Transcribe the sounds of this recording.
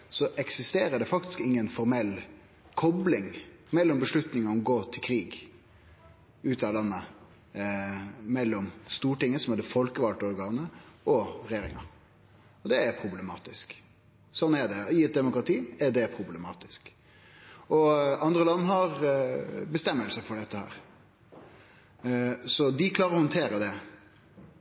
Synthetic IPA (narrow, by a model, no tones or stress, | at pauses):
sɔʔɛksɪst̪eːɾəɖɛfɑkt̪ɪ̥skɪŋːənfɔɾmɛlː | kʰɔblɪŋmɛlːɔmbəʂlʉt̪nɪŋɑɔmɡoːt̪ʰɪlkʰɾiːɡ | ʉːt̪ɑlɑnːə | mɛlːɔmst̪uːʈɪŋːəsɔmɛd̪ɛfɔlkəʋɑlt̪ɔɾɡɑːnəɔɾɛjeːɾɪ̰ŋɑ̰ | ɔd̪ɛæɾpʰɾʊblɛmɑ̰ːt̪ɪsk | sɔnːɛɖɛɪɛt̪̚d̪ɛmʊkɾɑt̪ʰiːɛɖɛpʰɾʊblɛmɑ̰ːt̪ɪsk | ɔɑnd̪ɾəlɑnːhɑɾ | bəst̪ɛmːəlsəfɔɖɛt̪ːəhæ̰ːɾ | sɔd̪ɪkʰlɑːɾəɾɔhɔnt̪ʰeːɾəd̪ɛ